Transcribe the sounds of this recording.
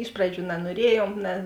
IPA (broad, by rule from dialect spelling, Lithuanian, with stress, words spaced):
ˈɪʃ prɐˌd͡ʒʲuː nɐnuɔˈrʲiɛjuɔm nʲɛ